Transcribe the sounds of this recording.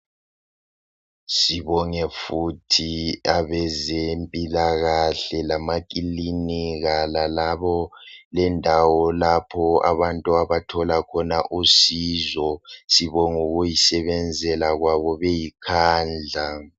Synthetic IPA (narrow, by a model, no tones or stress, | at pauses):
siβɔŋɛfutʰiaβɛzempʼilaɣaɬɛlamak̬ʼiliniɣalalaβɔlɛndʱawɔlapʰɔa̰βantʼuaβatʰɔlakʰɔnaʔusizɔsiβɔŋuɣujisɛβɛnd͡zʱɛlaɣwaβɔβejikʰaːnd͡ɮʱa